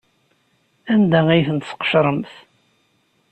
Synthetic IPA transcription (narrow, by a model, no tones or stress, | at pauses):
ænd̪æʁijθənt̪sqə̥ʃɾˤəmθ